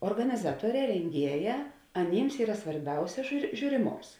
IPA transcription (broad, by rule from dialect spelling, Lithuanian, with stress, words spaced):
oːrɡɐnʲɪˈzɑːtuɔˌrʲɛː rʲɛŋʲˈɡʲiɛˌjæː ɐˈnʲiːms ˈiːrɐ sʋɐrʲˈbʲɛʊsʲɛ ʒʲuː ʒʲuːrʲɪˈmoːms